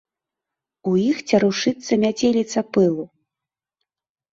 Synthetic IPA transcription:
ujixt͡sʲɐɾuʂɨt̪sːɐmʲat͡sʲelʲit̪sɐpɨlˠu

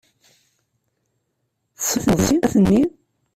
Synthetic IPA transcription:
θsəθəðˤsinæθənːi

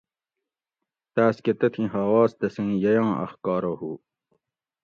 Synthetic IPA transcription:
t̪aːsket̪ɐt̪ʰĩɦaːwaːsd̪ɐsĩːjɐjɑ̃ːɐ̰xkɑːɾohuː

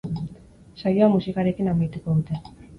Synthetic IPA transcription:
sajoamusikaɾe̞kinamajt̪uko̞ðut̪e̞

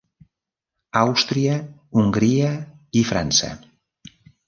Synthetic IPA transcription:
awst̪ɾiəuŋɡɾiə | ifɾansə̰

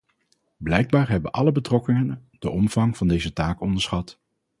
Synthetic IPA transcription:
blɛjɡ̚baːɹɦɛbənʔɑləbətrɔkɪŋəndəʔɔmv̥ɑŋv̥ɑndejzətaːkɔndəɹsχɑt

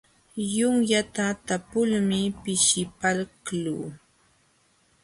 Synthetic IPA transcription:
jʊŋjat̪at̪apʊlmɪpɪʃɪpalkluː

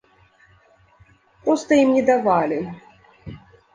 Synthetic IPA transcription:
pɾɔst̪ɐimnʲɛd̪avalʲi

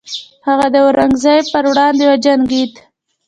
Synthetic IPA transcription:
haɣad̪əɾaŋɡzɑjpəɾwɽɑnd̪ewad͡ʒanɡit̪

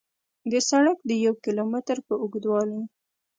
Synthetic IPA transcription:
d̪əsaɳək̚d̪əjawkilomɪt̪əɾpəʊɡd̪wɑləj

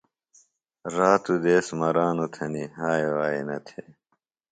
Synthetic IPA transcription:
ɾaːt̪ud̪eːsmɐɾaːnot̪ʰɐniɦaːewaːḛnɐ̰t̪ʰe

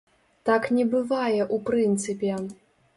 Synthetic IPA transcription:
t̪aknʲɛbɨvajɛʔupɾɨnt̪sɨpʲɛ

